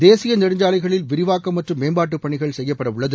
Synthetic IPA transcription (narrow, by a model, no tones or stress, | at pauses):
d̪eːsɪjɐnɪɽɪɲd͡ʒaːlɐɪɣɐɭɪlʋɪɾɪʋaːkːɐmːɐʈrɯmːeːmbaːʈ̬ːɯpːɐɳɪɣɐɭsɛjːɐpːɐɽɐʋʊɭːɐðɯ